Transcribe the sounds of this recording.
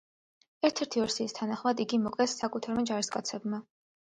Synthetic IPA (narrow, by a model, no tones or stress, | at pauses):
ɛɾt̪ʰɛɾt̪ʰiɔɾsiːst̪ʰanaχmad̪iɡimɔkʼɛsːakʼut̪ʰaɾmad͡ʒaɾiskʼat̪sʰɛbma